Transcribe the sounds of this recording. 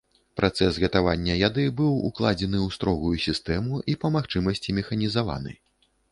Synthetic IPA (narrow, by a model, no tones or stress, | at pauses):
pɾʔat̪sɛsɣɐt̪avanʲːɐjad̪ɨbɨwṵklˠad͡zʲɛnɨwst̪ɾɔɣujusʲist̪ɛmuʔipɐmaxt͡ʂɨmɐsʲt͡sʲimʲɛxɐnʲizava̰nɨ̰